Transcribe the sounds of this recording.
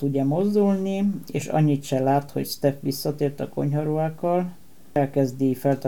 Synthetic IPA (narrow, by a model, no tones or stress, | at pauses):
t̪uɟːɛmozd̪ulnieːʃɒ̰ɲːit̪ʃɛlaːt̪ho̞̰cst̪ɛfʋisːɒt̪eːrt̪ɒko̞̰ɲɦɒɾuaːkɒl | ɛlkɛzd̪ifɛlt̪